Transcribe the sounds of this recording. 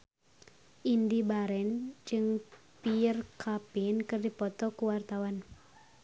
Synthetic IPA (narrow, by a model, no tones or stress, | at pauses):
ʔindibaɾɛnd͡ʒɨŋ | piərkʰapinkɨrdipɔt̪ɔkuwart̪awan